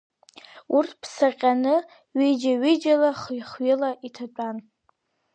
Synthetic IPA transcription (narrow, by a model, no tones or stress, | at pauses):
urtʰpʰsaqʲʼanɨ | ɥid͡ʒaɥɪd͡ʒalaχjχɥɪlaʔitʰaʈ͡ʂʷʼan